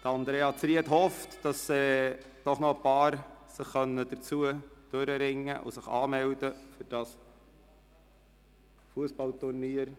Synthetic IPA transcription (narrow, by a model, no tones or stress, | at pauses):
d̥əɑnd̪ɾeːɑt͡sɾiəthɔftd̥ɑsːɛ | d̥ɔχnɔəpɑːɾsəχːœnːəd̥əɾt͡suəd̪̥øɾəɾɪŋːəʔʊ̰səχɑːmɛldəfʏɾd̥ɑs | fuəspɑlt̪ʊrniəɾ